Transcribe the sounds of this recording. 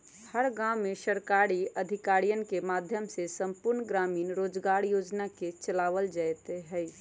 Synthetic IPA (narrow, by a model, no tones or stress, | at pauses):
həɾɡãmːẽʃəɾkaːɾiəd̪ʱɪkaːɾijənkemaːd̪ʱjəmsesə̃mpʊɾnɡɾaːmiːnɾoːd͡ʒɡaːɾjoːd͡ʒnaket͡ʃəlaːʋəld͡ʒaɛt̪eɦɛ